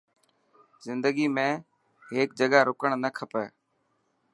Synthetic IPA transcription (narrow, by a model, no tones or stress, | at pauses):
zɪnd̪əɡiːmẽː | ɦeːk̚d͡ʒəɠaːɾoːkəɳ̃nəkʰəpəː